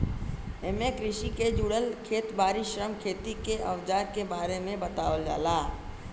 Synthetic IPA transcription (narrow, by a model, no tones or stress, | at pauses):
emekɾɪʃiked͡ʒuːɽəlkʰeːt̪baːɾɪʃɾəmkʰeːt̪ikeʔɐʋd͡ʒaːɾkebaːɾemẽbət̪aːʋəld͡ʒa̰ːlaː